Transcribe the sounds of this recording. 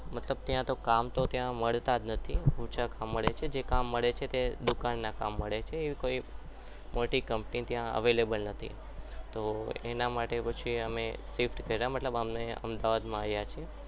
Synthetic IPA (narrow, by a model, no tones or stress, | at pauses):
mət̪ləb̚t̪jãt̪okamt̪ot̪jãməɭt̪ad̪nət̪ʰiut͡ʃʰakamːəɭet͡ʃʰed͡ʒekamːəɭet͡ʃʰet̪ed̪ukanːaka̰mːəɭet͡ʃʰeːʋikoi | moʈikəmpnit̪jãə̰ʋelebəlnət̪ʰḭ | t̪oḛnamaʈepət͡ʃʰiəmesifʈkəiɾamət̪ləbəmneə̰md̪aʋad̪mãajat͡ʃʰie